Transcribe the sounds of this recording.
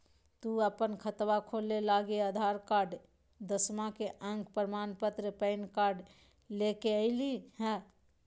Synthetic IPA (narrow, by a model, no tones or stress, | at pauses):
t̪uəpənkʰət̪ʋakʰolelaɡeəd̪ʱaɾkaɾɖ | d̪əsmakeʔə̃ŋɡpəɾmanpət̪ɾəpəɪnkaɾɖ | lekeəɪlihɛ̃